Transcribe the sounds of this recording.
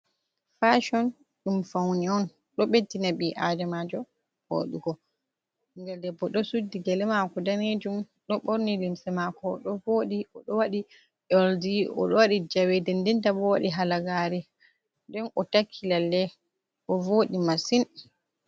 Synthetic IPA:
faʃɔn | ɗumfawniɔn | ɗɔɓedinabiʔadɛmad͡ʒɔ | ho̰ːɗuɡɔ | ŋɡɛldɛbːɔɗɔsudːiɡɛlɛmakɔdaned͡ʒum | ɗɔɓɔɾnilimsɛmakɔɗɔvoːɗiɔɗɔwaɗi | ɔldiʔɔ̰ɗɔwaɗid͡ʒawɛdɛndɛntabɔwaɗiɦalaɡaɾɛ | dɛnɔtakʰːilalːɛ | ʔɔvoːɗimasin

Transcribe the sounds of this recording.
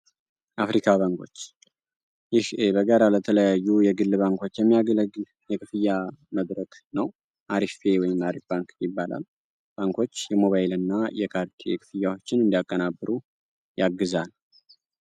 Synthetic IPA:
ʔafɾikʰaβaŋkʰo̞̰t͡ʃː | jɪhbəɡəɾalət̪ʰələjajːujɛɡɨlːβaŋko̞t͡ʃːjɛmːijaɡələɡɨl | jɛkʰɨfɨjːaməd̪ɾəkʼnəw | ʔaɾifewɔjɪmaɾifbaŋkjɪbːalʔa̰l | b̥aŋkʰo̞t͡ʃːjɛmo̞βajɪlɨnːajɛkʰaɾd̪jɛkʰɨfɨjːawo̞t͡ʃːɪnɨnd̪iakʼːənabːɨɾu | jaɡːɨzal

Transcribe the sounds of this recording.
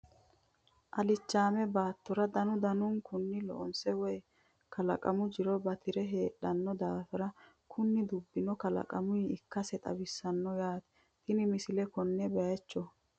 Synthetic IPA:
ʔɐlɪt͡ʃːaːmɛbaːt̪ːɔɾɐd̪ɐnʊd̪ɐnʊnkʊnːɪlɔ̰ʔɔnsɛwɔj | kɐlɐ̰kʼɐ̰mʊd͡ʒɪɾɔbɐt̪ɪɾɛɦe̞ːɗːɐnːɔd̪aːfɛɾɐ | kʰʊnːɪd̪ʊbːɪnɔkɐlɐ̰kʼɐmʊiɪkːɐsɛt̪ʼɐ̰bɪsːɐnːɔjaːt̪ɛ̥ | t̪ɪnɪmɪsɪlɛkɔnːɛbɛjɛt͡ʃːɔ

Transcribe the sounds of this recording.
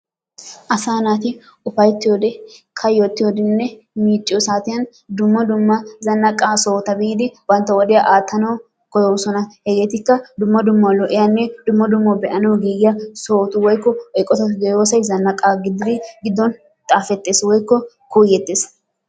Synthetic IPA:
ʔɐsaːnaːt̪ɪ | ʊfɐjt̪ːɪjoːd̪ɛkʰɐjoːt̪ːɪjoːd̪ɪnːɛ | miːt͡ʃʼːɪɔsaːt̪ɪjɐn | d̪ʊmːɐd̪ʊmːɐzɐnːɐkʼːaːso̞ːt̪ɐbiːd̪ɪbɐnt̪ːɐwɔd̪ɪjɐʔaːt̪ːɐnɐw | kɔjɔwsɔnɐhɛɡeːt̪ɪkːɐd̪ʊmːɐd̪ʊmːɐlɔʔɪjɐnːɛd̪ʊmːɐd̪ʊmːɐbɛʔɐnɐwɡiːjːɐso̞ːt̪ʊwɔjkːɔɛkʼːɔt̪ɐɡ̪ɛjoːsɐjzɐnːɐkʼːaːɡɪd̪ɪd̪ɪɡɪd̪ːɔn | t̪ʼaːfɛt̪ːe̞ːswɔjkːɔ | kuːjːɛt̪ːeːs

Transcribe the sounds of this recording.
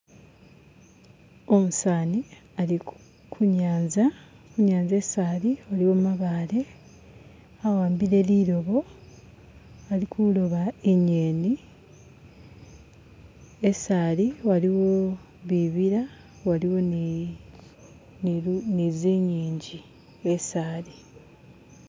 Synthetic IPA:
o̞musaːniali | kʰuɲaːnza | kuɲaːnze̞saːliwaliwo̞mmaβaːle̞ | awaːmbiɾe̞liɾo̞βo̞ | alikʰulo̞βaeɲeːni | esaːliwaliwo̞ | βiβiɾa | waliwo̞n | niziːɲiːɲɟi | esaːli

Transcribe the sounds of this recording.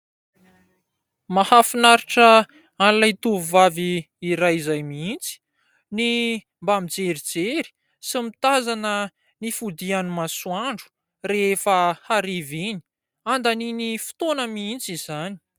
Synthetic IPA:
mahafinaɾiʈ͡ʂə | anlajt̪uvuvaviː | ɾajizajmiint͡si̥ | ni | mbamid͡zeɾid͡zeɾi̥ | simit̪azanə | nifud̪ianimasuaɳɖ͡ʐu̥ | reefəhaɾeveni̥ | and̪aninifi̥t̪onəmiint͡sizani̥

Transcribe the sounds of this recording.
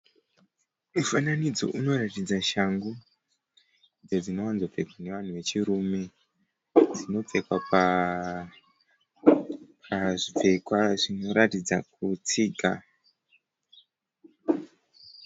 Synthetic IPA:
mufananid͡zo̞̰ʔuno̞ratid͡zaʃaŋɡu | d͡zed͡zino̞wanzo̞b͡ve̞kwane̞ʋan̤uʋe̞t͡ʃiɾume̞ | d͡zino̞p͡fe̞kwapa | pʰaʐib͡ve̞kwaʐino̞ɾatid͡zakut͡siːɡʱa

